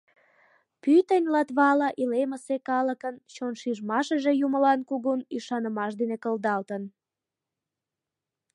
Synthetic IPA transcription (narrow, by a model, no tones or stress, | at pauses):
pyt̪ənʲlɑt̪βɑlɑʔileməsekɑləkənt͡ɕonʃiʒmɑʃəʒejuməlɑnkuɣunyʃɑnəmɑʃd̪enekəld̪ɑlt̪ən